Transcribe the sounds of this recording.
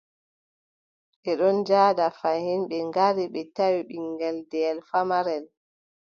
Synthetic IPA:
ɓɛɗɔnd͡ʒaːdafahinɓɛŋɡaɾiɓɛtawiɓiŋɡɛldɛːlfamaɾɛl

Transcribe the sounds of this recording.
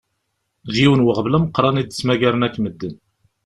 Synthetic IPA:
ðjiwənwəʁəvlæməqːɾˤɑnid̪t͡sːmæʝæɾnækːməd̪ːən

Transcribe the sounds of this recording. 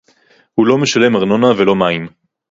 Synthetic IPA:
hulo̞me̞ʃale̞maʁno̞navelo̞maim

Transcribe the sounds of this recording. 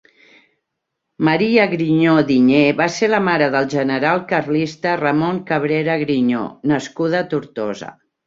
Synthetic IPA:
məɾiəɣɾiɲoðiɲeβaseləmaɾəðəlˠʒənəɾalˠkərlist̪ərəmoŋkəβ̞ɾeɾəɣɾiɲo̰nəskuðət̪uɾt̪ozə̰

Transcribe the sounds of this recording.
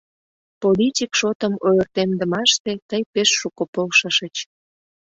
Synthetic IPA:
politʲikʃot̪əmojərt̪emd̪əmɑʃt̪et̪əjpeʃːukopolʃəʃət͡ɕ

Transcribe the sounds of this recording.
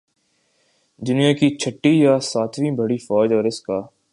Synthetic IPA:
d̪ʊnijakit͡ʃʰɐʈːijasaːt̪ʰʋĩːbɐɽifɔːd͡ʒɔːɾɪskaː

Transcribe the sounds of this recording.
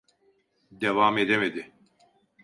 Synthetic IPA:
d̪evamed̪emed̪ɪ

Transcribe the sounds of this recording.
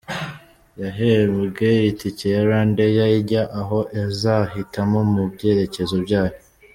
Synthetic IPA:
jaɦeβuɡejiticejaɾaːndejaiɟaʔaɦo̞ʔezaɦitamo̞mubɟe̞ːɾe̞ce̞zobɟaːjo

